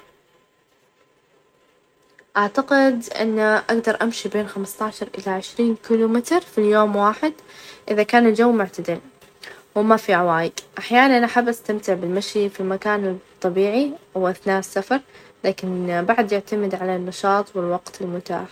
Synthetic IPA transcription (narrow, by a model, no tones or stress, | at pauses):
ʔaʕt̪aqɪd̪ʔɪ̰nːaʔaɡd̪ɑɾˤʔamʃibeːnxamst̪ɑːʃɑɾˤʔɪlaʕɪʃɾiːnkilumɪt̪ɾfiljoːmwaːħɪd̪ʔɪðakaːnɪld͡ʒawːmʊʕt̪ad̪ɪl | wɪmafiʕawaːjɪkʔaħjaːnaʔanʔaħabːʔast̪amt̪ɪʕbɪlmaʃifilmakaːnt̪ˤːɑbiːʕiwʔaθnaːsːafɑɾˤlaːkɪnbaʕd̪jɪʕt̪amɪd̪ʕalannːɑʃɑːt̪ˤwɪlwɑɡt̪ɪlmʊt̪a̰ːħ